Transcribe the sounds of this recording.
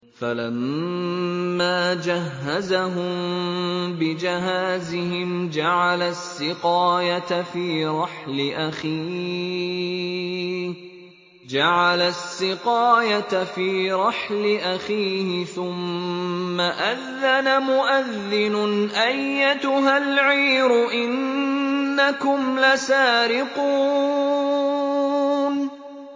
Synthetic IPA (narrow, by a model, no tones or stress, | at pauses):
falamː | aːd͡ʒaɦːazaɦʊm | bɪd͡ʒɪɦaːzɪɦɪmd͡ʒaʕalasːɪqɑːjat̪afiːɾˤɑħlɪʔaxiː | d͡ʒaʕalasːɪqɑːjat̪afiːɾˤɑħlɪʔaxiːhɪθʊmː | aʔaðːanamʊʔaðːɪnʊnʔajːat̪ʊɦalʕiːɾʊʔɪnː | akʊmlasaːɾɪqu | n